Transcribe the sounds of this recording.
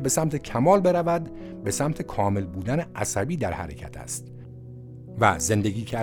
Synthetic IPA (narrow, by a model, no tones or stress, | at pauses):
be̞sæmt̪ʰe̞cʰæmɒːlbe̞ɾævæd̪ | be̞sæmt̪ʰe̞kʰɒːme̞lbuːd̪æneʔæsæbiːd̪æɾhæ̰ɾḛcʰæ̰t̪ʰæ̰st̪ | væ̰ze̞nd̪e̞ɡiːcʰæ